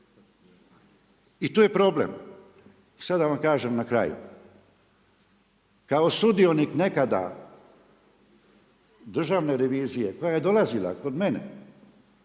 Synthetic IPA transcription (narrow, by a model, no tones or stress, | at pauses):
it̪uːje̞pɾo̞blḛm | isad̪aʋamkaːʒemnakɾa̰jṵ | kao̞sud̪io̞nikne̞kad̪a̰ | d̪r̩ʒaʋne̞ɾe̞ʋiːzije̞kojaje̞d̪o̞lazila̰ko̞d̪me̞nḛ